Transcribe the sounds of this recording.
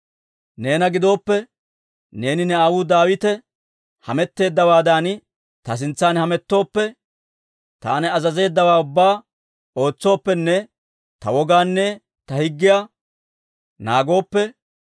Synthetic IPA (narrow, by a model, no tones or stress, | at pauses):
ne̞ːnɐɡɪd̪o̞ːpːɛ | ne̞ːnɪnɛaːwʊd̪aːwɪt̪ɛ | hɐmɛt̪ːe̞ːd̪ːɐwaːd̪an | t̪ɐs̬ɪnt͡sːaːnhɐmɛt̪ːo̞ːpːɛ | t̪a̰ːnɛɐzɐze̞ːd̪ːɐwaːʊbːaː | o̞ːt͡sːo̞ːpːɛnːɛ | t̪ɐwɔɡaːnːɛ | t̪ɐhɪɡːɪja | naːɡo̞ːpːɛ